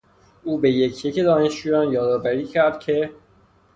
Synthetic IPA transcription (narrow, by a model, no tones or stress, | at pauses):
uːbejecʰjeced̪ɒːneʃt͡ʃuːjɒːnjɒːd̪ɒːvæɾiːcʰæɾd̪̥̚cʰe̞